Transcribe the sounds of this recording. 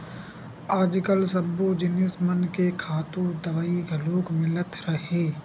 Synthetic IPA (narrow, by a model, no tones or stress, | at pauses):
aːd͡ʒkəlsɐbod͡ʒɪnɪsmənkekʰaːt̪ũd̪ɐʋaːiɡʱɐloːkmɪlət̪ɾɐɦeː